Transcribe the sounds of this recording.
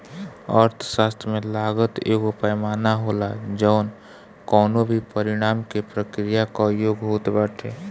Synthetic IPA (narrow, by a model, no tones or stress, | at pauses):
ə̰ɾt̪ʰʃaːst̪ʰɾmẽlaːɡət̪ḛːkʊpajmaːnaɦoːlad͡ʒəʊn | kɔːnobʱipəɾɪɽ̃aːmkepɾəkɾijakojoːɡɦoːt̪bɛːʈʰeː